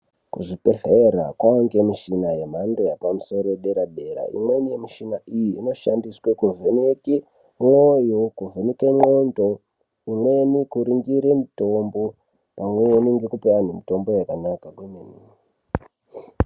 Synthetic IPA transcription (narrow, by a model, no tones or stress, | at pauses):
kuʐipeɬeɾa̰kwaoŋɡe̞miʃinaje̞m̤andojapamuso̞ɾo̞eɗe̞ɾaɗe̞ɾa̰ḭmwe̞nijemiʃinaijiːno̞ʃandiswekuvʱeneke | mojokuvʱenikemo̞ndo | imwe̞nikuɾiŋɡiɾe̞mito̞mbo̞ | pamwe̞niŋɡe̞kupewane̞mito̞mbo̞jakanakaɡwemenini